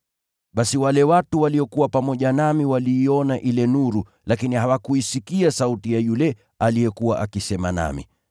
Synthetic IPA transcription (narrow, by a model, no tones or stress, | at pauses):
ɓasiwalɛwatuwaliɔkuwapamɔʄanamiwaliːɔnaʔilɛnuɾu | lakinihawakuisikiasautijajulɛ | aliɛkuwa̰ʔakisɛma̰na̰mḭ